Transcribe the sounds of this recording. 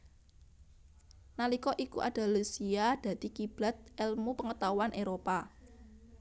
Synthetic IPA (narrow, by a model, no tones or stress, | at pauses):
nalikɔʔikṵʔa̰d̪̥a̤lusiad̪̥ä̤d̪̥i̤kib̥a̤t̪̚ɛlmupəŋət̪awanʔeɾopa